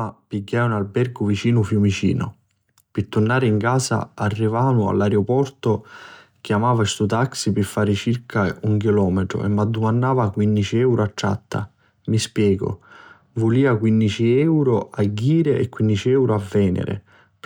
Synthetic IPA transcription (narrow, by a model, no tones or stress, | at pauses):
apiɟːaːunalbɛrɡʊvit͡ʃiːnʊfjumit͡ʃḭːnʊ̰ | pɪt̪ːurnaːɾɪiŋkaːsa̰ːrːivaːnua̰lːaɾeopɔrt̪ʊ | k̟jamaːvast̪ut̪aksipɪfːaːɾɪt͡ʃirkʰauŋkilɔːmɛʈ̪ɾʊ̰ʔɛ̰mːad̪ːumanːaːvakwindit͡ʃiɛwɾat͡ʃːa̰t̪ːa̰ | mispjɛːɡʊ̰ | vʊliːakwinːit͡ʃiɛwɾʊaɟːiːɾɪʔɛkːwind̪it͡ʃiɛwɾʊavːɛːnɪ̰ɾɪ̰